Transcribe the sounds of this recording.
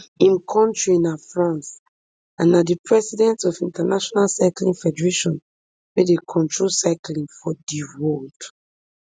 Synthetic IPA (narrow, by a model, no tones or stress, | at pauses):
ĩmkʰɔ̃ntɹinafɹãns | ãnadipʰɹɛsidɛ̃ntɔfĩntanaʃɔnalsaklĩŋfɛdɛɹeʃɔ̃n | wedekʰɔ̃ntɹolsaklĩŋfɔdiwold